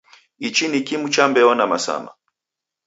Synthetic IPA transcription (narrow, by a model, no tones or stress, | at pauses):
it͡ʃinikimut͡ʃambɛɔnamasa̰ma̰